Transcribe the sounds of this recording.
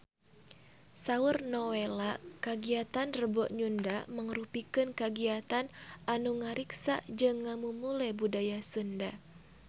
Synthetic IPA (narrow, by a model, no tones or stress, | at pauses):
saurnɔwelakaɡiat̪anrəbɔʔɲundaməŋrupikɨnkaɡiat̪anʔanuŋaɾiksa̰d͡ʒɨŋːamumulɛbudajasunda